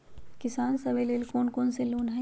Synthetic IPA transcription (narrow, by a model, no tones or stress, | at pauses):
kɪsaːnsɐbeleːlkoːnkoːnseloːnɦɐ